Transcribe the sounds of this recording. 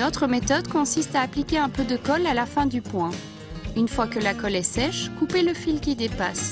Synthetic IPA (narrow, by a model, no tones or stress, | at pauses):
ot̪χəmet̪ɔd̪kɔ̃sist̪aːplikʲeɛ̃pød̪əkɔlalafɛ̃d̪ypwɛ̃ | ynfwakəlakɔlɛsɛʃkupeləfilkʲid̪epas